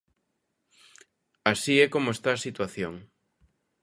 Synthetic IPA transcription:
asiɛkomoest̪aːsit̪waθjoŋ

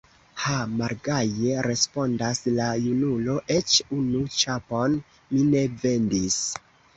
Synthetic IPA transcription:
hamaɾɡaje̞ɾe̞spo̞ndaslajunulo̞ʔe̞t͡ʃunut͡ʃapo̞n | mine̞ve̞ndis

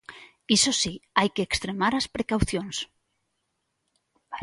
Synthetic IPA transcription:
isosiajkeːkst̪ɾemaɾaspɾekawθjons

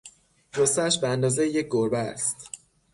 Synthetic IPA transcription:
ɾosæʃbeænd̪ɒːzejejec̚ɡoɾbææ̰st̪

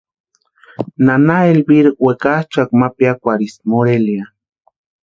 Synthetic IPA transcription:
nanaelbiɾwekat͡ʃakmapjakʷaɾismoɾelia

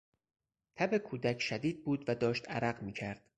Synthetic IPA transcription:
t̪ʰæbe̞kʰuːd̪æcʰʃæd̪iːd̪̚buːd̪væd̪ɒːʃt̪æ̰ɾæɢmiːcʰæɾd̪̥

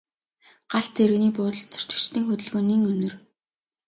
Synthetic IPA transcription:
ɢ̥aɬt̪ʰeɾɘ̆ɣniːpʊːt̪ə̆ɮt͡sɔ̥t͡ɕɪ̥̆t͡ɕt̪iːŋxɵt̪ɵ̆ɮɣoːnːiŋɵnʲɵ̆r

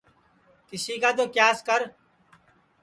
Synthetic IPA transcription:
k̪ɪsiːkaːt̪̬oːkjaːskəɾ

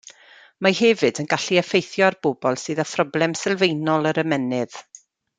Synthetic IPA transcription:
mahɛvɨdənɡaɬiəfejθjɔarb̥ʊbɔlˠsɨːðəfrɔblˠɛmsɛlˠvejnɔlˠəɾəmɛnɨð̥

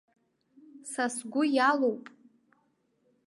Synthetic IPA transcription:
sasɡʷʊjalowpʼ

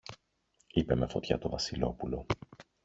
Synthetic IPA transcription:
ipe̞me̞fo̞t̪çɐ̰t̪o̞vɐsilo̞̰pulo̞

